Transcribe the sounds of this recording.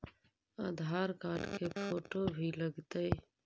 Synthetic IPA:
aːd̪ʱaːɾkaːɖkepʰoːʈobʱiləɡt̪əː

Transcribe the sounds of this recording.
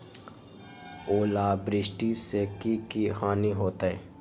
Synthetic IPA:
oːlaːbɾɪsʈisekikihaːniɦoːt̪ɛː

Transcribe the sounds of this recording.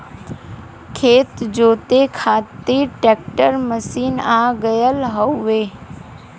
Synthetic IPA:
kʰeːt̪d͡ʒoːt̪ekʰaːt̪iʈeːk̚ʈəɾməsiːnaːɡəjəlɦəʋeː

